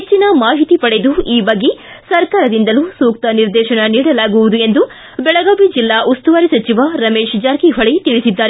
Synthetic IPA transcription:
et͡ʃːinɐmaːɦit̪ipɐɽed̪uiːbɐɡːe | sɐɾkaːɾɐd̪ind̪ɐlusuːk̚t̪ɐniɾd̪ɛːʃɐnɐniːɽɐlaːɡuʋud̪ue̞nd̪u | bɛɭɐɡaːʋid͡ʒilːaːʔust̪uʋaːɾisɐt͡ʃiʋaɾɐmeːʃd͡ʒaːɾkiɦɐɭit̪iɭisid̪ːaːɾe

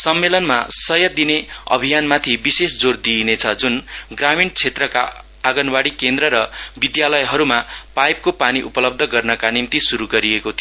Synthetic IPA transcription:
sʌmːelʌnma̰sʌjʌd̪ineʌ̰bʱijanmat̪ʰibisesd͡zord̪inet͡sʰʌd͡zunɡramint͡sʰet̪rʌka̰ | aɡʌnwaɽikend̪rʌɾʌbid̪jalʌjɦʌɾumapajp̚kopaniʔupʌlʌb̚d̪ʱʌɡʌrnʌkanimt̪isuɾuɡʌɾiekot̪ʰi

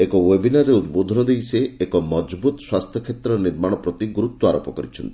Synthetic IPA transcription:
ekɔwebinaɾeud̪bod̪ʱɔnɔd̪ejseekɔmɔd͡ʒbut̪ɔswast̪ʰjɔkʰet̪ɾɔniɾmaɽ̃ɔpɾɔt̪iɡuɾut̪wɔaɾopɔkɔɾit͡ʃʰɔnt̪i̥

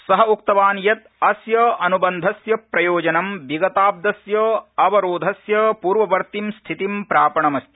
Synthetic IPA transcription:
sɐɦɐukt̪ɐʋaːnjɐt̪ɐsjɐʔɐnubɐnd̪ʱɐsjɐpɾɐjoːd͡ʒɐnɐmbiɡɐt̪aːb̚d̪ɐsjɐːɐʋɐɾoːd̪ʱɐsjɐpuːɾʋɐʋɐɾt̪imst̪ʰit̪impɾaːpɐɳɐmɐst̪ʰi

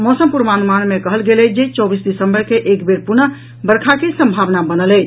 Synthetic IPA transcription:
mɔsəmpuɾmanumanmekəɦəlɡelɛd͡ʒet͡ʃɔbisdisəmbəɾkeʔekbeɾpuɾnə | bəɾkʰakesəmbʱaʋnabənəlɛt͡ʃ

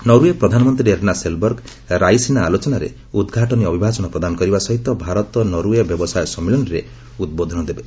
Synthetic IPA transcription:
nɔɾuepɾɔd̪ʱanɔmɔnt̪ɾieɾnaselbɔɾɡ | ɾajsinaːlot͡ʃɔnaɾḛ | ud̪ɡʱaʈɔniɔbʱibʱat͡ʃɔnɔpɾɔd̪anɔkɔɾibasɔɦit̪ɔbʱaɾɔt̪ɔnɔɾuebjɔbɔsajɔsɔmːilɔnɔɾe | ud̪̚bod̪ʱɔnɔd̪ebe

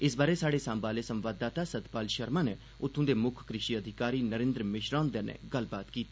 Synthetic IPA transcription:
ɪs̬baːɾeːsaːɽeːsambaːleːsəmʋaːd̪ːaːt̪aːsəd̪paːlʃəɾmãːneː | ʊt̪ʰːõːd̪eːmʊkʰkɾɪʃiːəd̪ʱɪkaːɾiːnəɾẽːnd̪ɾəmɪʃɾãːnd̪ənḛːɡəlbaːt̪kiːt̪iː

